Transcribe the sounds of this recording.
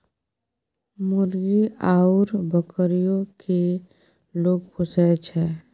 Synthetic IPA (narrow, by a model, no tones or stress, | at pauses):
mʊɾɡiaːuɾbəkəɾijõke | loːɡpʰʊsɛt͡ʃʰɛː